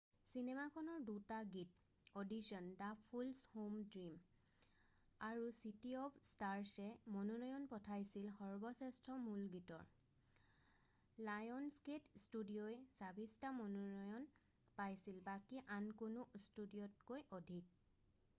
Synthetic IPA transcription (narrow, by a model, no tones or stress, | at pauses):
sinemakʰɔnɔɹdutaɡit̚ | odisɔndapʰulshomdɹim | aɹusitiɔpstaɹsɛmɔnɔnɔjɔnpɔtʰajsilxɔɹbɔsɛstʰɔmulɡitɔ̰ɹ | lajɔnsketstudijojsabistamɔnɔnɔjɔn | pajsilbakiʔankunʊstudijɔt̚kojɔdʱik̚